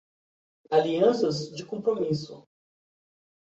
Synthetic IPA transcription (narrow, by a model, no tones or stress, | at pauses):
aliɐ̃sɐzd͡ʒɪkõpɾomisʊ̰